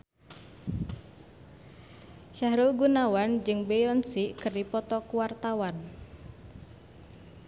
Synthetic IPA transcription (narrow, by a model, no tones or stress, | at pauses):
ʃaɦɾulɡunawand͡ʒɨŋbejɔnsikɨrdipɔt̪ɔkuwart̪awan